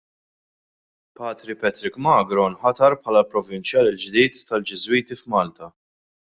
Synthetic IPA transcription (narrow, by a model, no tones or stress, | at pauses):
pɐːt̪ɾipɛt̪ɾɪkmɐːɡɾɔnħɐt̪ɐɾpħɐːlɐlpɾɔvɪnt͡ʃjɐːlɪld͡ʒd̪iːt̪ːɐld͡ʒɪzwiːt̪ifmɐːlt̪ɐ